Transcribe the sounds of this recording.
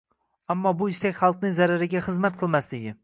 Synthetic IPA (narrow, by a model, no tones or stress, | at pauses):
amːɒbʊɪʃt̪akʲχɑlˠqnɪŋʲzaɾaɾɪɡʲaχɨzmat̪̚qʰɨlˠmaslɪɡʲɪ